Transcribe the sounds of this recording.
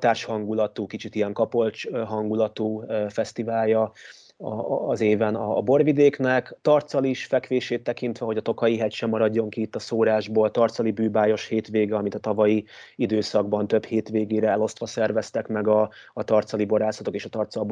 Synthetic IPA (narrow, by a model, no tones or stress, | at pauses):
t̪aːrʃhɒŋɡulɒt̪uːkit͡ʃit̪ijɛŋkɒpo̞lt͡ʃɦɒŋɡulɒt̪uːfɛst̪ivaːljɒ | ɒ̰ːzeːvɛnɒbo̞rvid̪eːknɛkt̪ɒrt̪sɒliʃfɛkʋeːʃeːt̪ːɛkint̪ʋɛɦo̞ɟɒt̪o̞kɒjiɦɛcʃɛmːɒɾɒɟːo̞ŋkiit̪ːɒsoːɾaːʒboːlt̪ɒrt̪sɒlibyːbaːjo̞ʃheːt̪ʋeːɡɛɒmit̪ɒt̪ɒvɒjiid̪øːsɒɡbɒnt̪øbheːt̪ʋeːɡeːɾɛɛlo̞st̪ʋɒsɛrvɛst̪ɛkmɛɡɒːt̪ɒrt̪sɒliboɾaːsɒt̪o̞keːʃɒt̪ɒrt̪sɒlb